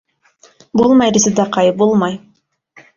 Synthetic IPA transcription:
bolˠmɑjɾisid̪ɑqɑjbolˠmɑj

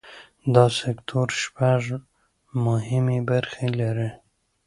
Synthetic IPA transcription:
d̪ɑsɪkt̪ʰoɾʃpaʐ | mʊhɪmebaɾxelaɾi

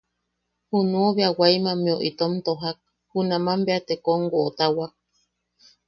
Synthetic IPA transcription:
hunũoβeawajmãmĩoʔit̪omt̪oɦak̚ | hunãmãmbeat̪ekoŋɡoʔːt̪awak̚

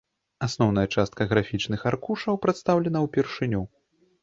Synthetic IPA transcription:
asnɔwn̪ɐjɐt͡ʂast̪̚kɐɣɾafʲit͡ʂnɨxarkuʂɐwpɾɛt̪st̪awlʲɛnɐwpʲɛrʂɨnʲu

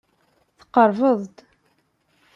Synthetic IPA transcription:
θqəɾˤvəðˤt̪

